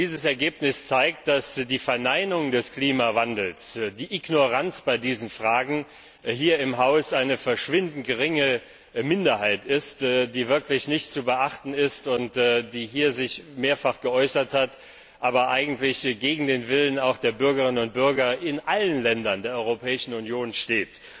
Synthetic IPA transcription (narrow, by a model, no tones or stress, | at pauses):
d̥iːzəsɛɐɡeːpnɪst͡saɪk̚t̚d̥asd̥iːfɛɐnaɪnʊŋdɛskl̥iːmavandl̩sd̥iːʔiɡnoʁant͡sb̥aɪdiːzn̩fʁ̥aːɡŋ̩ | ɦiːɐɪmɦaʊsʔaɪnəfɛɐʃv̥ɪndn̩tɡəʁɪŋə | mɪndɐhaɪtɪstdiːvɪɐklɪçnɪçtt͡subəʔaχtn̩ɪstʊntːdiːɦiːɐzɪçmeːɐfaχɡ̥əʔɔʏsɐthat | ʔaːbɐʔaɪɡŋ̩tlɪçɡ̥eːɡŋ̩deːnvɪlənaʊxd̥eːɐbʏɐɡəʁɪnənʊnt̚b̥ʏɐɡɐɪnʔalənlɛndɐndeːɐʔɔʏʁopʰɛːɪʃn̩ʊnjoːnʃteːt